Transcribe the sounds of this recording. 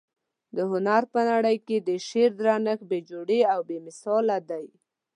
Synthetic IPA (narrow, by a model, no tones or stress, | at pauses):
d̪əhʊnaɾpənaɽəjked̪əʃeɾd̪ɾanəxbed͡ʒoɽeawbemɪsɑlad̪aj